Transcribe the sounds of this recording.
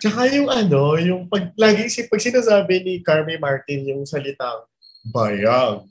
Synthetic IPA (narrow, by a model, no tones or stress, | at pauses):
t͡ʃɐkajʊŋʔɐno̞jʊŋpɐɡ̚laːɡɪŋsɪpɐɡ̚sɪnaːsaːbɪnikaɹmɪmaɹt̪ɪnjʊŋsɐlɪt̪aŋ | baːjɐɡ̚